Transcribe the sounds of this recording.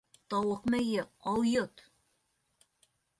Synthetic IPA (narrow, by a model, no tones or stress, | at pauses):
t̪ɑwɤqmæjɘɑwjot̪